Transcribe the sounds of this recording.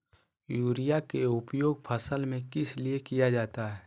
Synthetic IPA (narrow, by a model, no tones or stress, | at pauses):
juːɾijakeʊpjoːɡ̚pʰɐsəlmẽkɪsliekijad͡ʒaːt̪aɦɛː